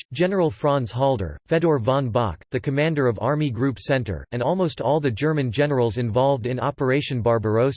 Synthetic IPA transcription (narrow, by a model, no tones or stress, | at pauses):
d͡ʒɛnə˞l̩ˠfɹɑ̃nz̥ɦɔlˠdə̰˞fɛdɔɹvɑ̃nbɑ̰k̚ðɨkʰɨmæ̃ndə˞ʌvɑɹmiɡɹʉpsɛ̃ntə̰˞ɨ̃ndɔlˠmoʊstʰɔlˠðɨd͡ʒɜ˞mɨ̃nd͡ʒɛnə˞l̩ˠzɨ̃ɱvɑlˠvdɨ̃nɑ̰pə˞eɪʃɨ̃nbɑɹbə˞oʊs